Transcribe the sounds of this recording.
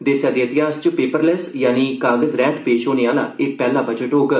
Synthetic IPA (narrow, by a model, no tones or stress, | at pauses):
d̪ɪsjaːd̪eːɪt̪ɪɦaːst͡ʃpeːpəɾlɛsjaːniːkaːɡəzɾɛːt̪ʰpeːʃɦoːneːaːla̰ːɪk̚pɛːlaːbəd͡ʒəʈɦoːɡ